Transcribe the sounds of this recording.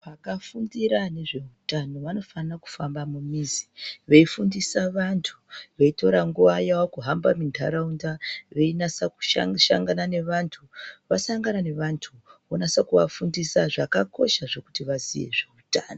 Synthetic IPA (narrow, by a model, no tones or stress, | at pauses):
pakafundiɾane̞ʐe̞utano̞ʋano̞fanaku̥fambamumiziʋe̞ifundisaʋantʰu̥ʋe̞ito̞ɾaŋɡuʋajawakuɦambamindʱa̰ɾaundaʋe̞inasaku̥ʃʃa̰ŋɡanane̞ʋantʰuʋasaŋɡanane̞ʋantʰuonasakuʋafundisaʐakako̞̰ʃaʐe̞ku̥tiʋazije̞̰ʐe̞utaːno